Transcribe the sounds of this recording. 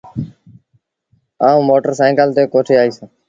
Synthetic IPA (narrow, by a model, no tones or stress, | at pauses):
aːũːmoːʈəɾsãːɪkəlt̪eːkoːʈʰeːaːiːsãː